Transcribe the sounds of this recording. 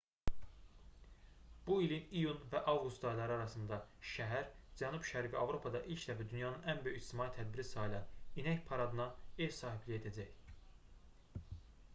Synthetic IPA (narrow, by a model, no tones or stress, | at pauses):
b̥uilinijunvæʔɑvɡust̪d̪ɑilˠɑɾɯɑɾɑsɯnd̪ɑʃæɦæɾd͡ʒænubʃæɾifiɑvɾo̞pʰɑd̪ɑʔilcʰd̪æfæd̪ynjɑnɯnænbø̞jyit͡ʃt̪imɑit̪ʰæd̪̚biɾisɑilˠɑninæcpʰɑɾɑd̪ɯnɑevsɑːhiblie̞d̪æd͡ʒæç